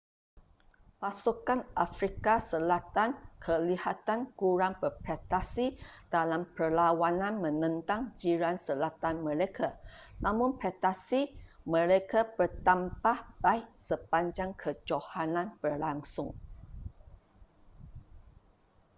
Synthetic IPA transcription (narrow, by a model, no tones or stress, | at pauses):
pasukanʔafɾikasəlat̪ankʰəlihat̪ankuɾaŋbərpɾet̪asid̥alampərlawanãnmə̃nə̃nt̪aŋd͡ʒiɾansəlat̪anmə̃lekʰanãmʊ̃npɾet̪asimə̃ɾekabərt̪ampahbaiʔsəpaɲd͡ʒaŋkʰəd͡ʒohanãnbərlaŋsʊŋ